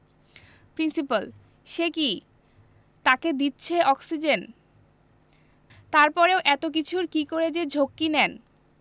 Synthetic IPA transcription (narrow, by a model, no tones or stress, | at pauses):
pɾinsipal | ʃeki | t̪aked̪itːɕʰeʔɔksid͡ʑen | t̪aɾpɔɾeoʔɛt̪ok̬it͡ɕʰuɾkikoɾed͡ʑed͡ʑʱokːinɛn